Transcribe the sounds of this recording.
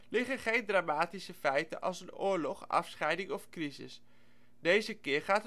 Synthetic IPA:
lɪχəχejndraːmaːtisəfɛjtə̰ʔɑ̰lˠsənʊːɹlɔχɑ̰fsχɛjdɪŋɔfkrizɪ̰s | dejzəkɪːrχaːtə

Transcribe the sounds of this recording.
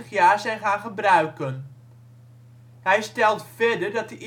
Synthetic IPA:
əχjaːɹzɛjnχaːnχəbrœɥkən | ɦɛjstɛlˠtfɛdəɹdɑt̚dəʔ

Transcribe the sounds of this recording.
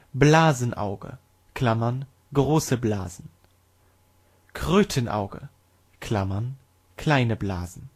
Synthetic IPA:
blaːzən̩ʔa̰ʊɡə̰ | kʰl̥amɐn | ɡʁoːsəbla̰ːzn̩ | kʰʁ̥øːtʰənʔa̰ʊɡə̰ | kʰl̥amɐn | kʰl̥aɪnəblaːzn̩

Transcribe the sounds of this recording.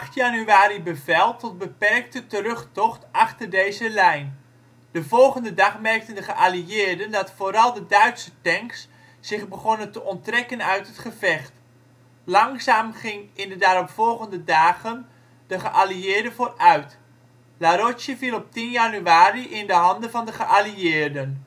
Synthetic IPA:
xtjanyaːɾibəvɛlˠtɔt̚bəpɛrk̚tətərɵχtɔχtɑχtərdejzəlɛjn | d̥əvɔlˠχəndədɑχmɛrk̚təndəχəʔaliɪːrdəndɑtfoːɾɑlˠdədœɥtsətɛŋksː | ɪχbəχonəntəʔɔntrɛkənœɥtətχəvɛχt | lɑŋzaːmχɪŋɪndədaːɾɔpfɔlˠχəndədaːɣən | dəχəʔaliɪːɹdəvoːrœɥt | laɾosjəvilˠɔp̚tinjanyaːriʔɪndəɦɑndəvɑndəχəʔaliɪːɹdən

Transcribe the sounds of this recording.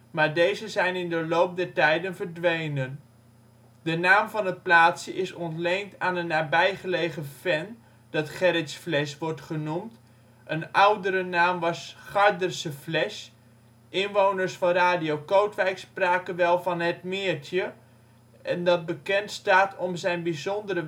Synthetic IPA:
maːɹdejzəzɛjnɪndəlowp̚dɛɹtɛjdənvəɹdʋejnən | dənaːmvɑnət̚plaːtsəʔɪsɔntlejntaːnənːaːbɛjχəlejχəfɛn | d̥ɑtχɛɾɪtsflɛsʋɔɹtχənumt | ʔənʌwdəɾənaːmʋɑsχɑɹdərsəflɛʃ | ʔɪnʋownəɹsfɑnraːdiowkowtʋɛjkspraːkənʋɛlˠvɑnɦət̚mɪːɹtjə | ʔɛndɑt̚bəkɛntstaːtʰɔmzɛjnbizɔndəɾə

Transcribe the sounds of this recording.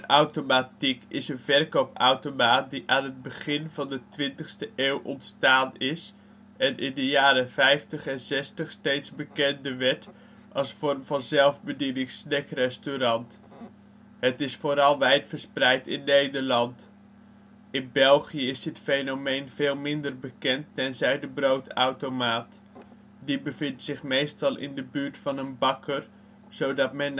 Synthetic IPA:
awtomatikɪsənvɛrkowpawtomaːtdiʔaːnɦət̚bəχɪnvɑndətʋɪntəχstəʔeːwʔɔ̰ntstaːnɪs | ɛnʔɪndəjaːɾəvɛjftəχɛnzɛstəχstejtsbəkɛndəʋɛt | ʔɑlˠsfɔrəmvɑnzɛlˠvbədidɪŋsnɛkrɛstyɾɑnt | hətɪsfoːɾɑlˠʋɛjtfəɹsprɛjtɪnːejdəɹlɑnt | ɪnbɛlˠχijəɪsɦətfejnomejnv̥eːlˠmɪndərbəkɛntːɛnzɛjdəbrowtawtomaːt | dibəvɪntsɪχmejstɑlˠɪ̰ndəbyːɹtfɑnənbɑkʰər | z̥owdɑtmɛn

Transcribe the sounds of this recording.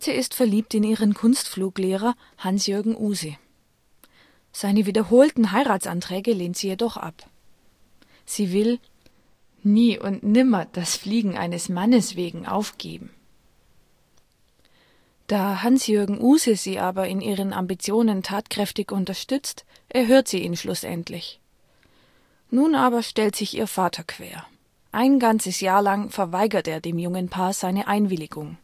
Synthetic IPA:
tʰəɪstfɛɐliːp̚tɪniːʁənkʰʊnstfluːkleːʁ̞ɐ | hansjʏɐɡŋ̩ʔuːzə | z̥aɪnəviːdɐɦoːltn̩ɦaɪʁaːtt͡sʔa̰ntʁ̥ɛːɡəleːntz̥iːjedɔχʔa̰p | z̥iːvɪl | niːʔʊ̰ntnɪmɐd̥asfliːɡŋ̩ʔa̰ɪnəsmanəsv̥eːɡŋ̩ʔa̰ʊfɡ̥ḛːbm̩ | d̥aːɦansjøɐɡŋ̩ʔuːzəziːʔaːbɐɪnʔiːʁ̞ənʔa̰mbit͡sjoːnəntʰaːtkʁ̥ɛftɪçʊntɐʃtʏt͡st | ʔɛɐɦøːɐtz̥iːḭːnʃlʔʊsʔɛ̰ntʰlɪç | nuːnʔaːbɐʃtɛltz̥ɪçʔḭːɐfaːtʰɐkʰv̥ḛːɐ | ʔaɪnɡant͡səsjaːɐlaŋfɛɐvaɪɡɐtʔeːɐdeːmjʊŋənpʰaːɐz̥aɪnəʔaɪnvɪlɪɡʊŋ

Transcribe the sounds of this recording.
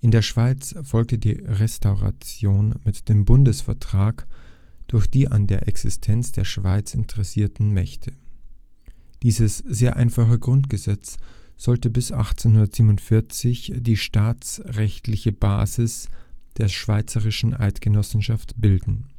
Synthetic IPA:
ʔɪndeːɐʃv̥aɪt͡sfɔlktədiːʁɛstaʊʁa̰t͡sjoːnmɪtd̥eːmbʊndəsfɛɐtʁ̥aːk | d̥ʊɐçd̥iːʔa̰ndeːɐʔɛksɪstʰɛnt͡sd̥eːɐʃv̥aɪt͡sɪ̰ntʰəʁɛsiːɐtn̩mɛçtʰə | d̥iːzəsz̥eːɐʔa̰ɪnfaχəɡʁʊntɡ̥əzɛt͡sz̥ɔltəbɪsʔa̰χt͡senhʊndɐtz̥iːmʊntfɪɐt͡sɪçd̥iːʃtaːt͡sʁɛçtlɪçəb̥a̰ːzɪsd̥eːɐʃv̥aɪt͡səʁɪʃn̩ʔa̰ɪtɡ̥ənɔsn̩ʃaftb̥ɪldn̩

